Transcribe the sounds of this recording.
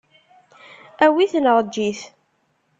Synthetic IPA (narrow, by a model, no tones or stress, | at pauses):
æwiθnəʁˤd͡ʒːiθ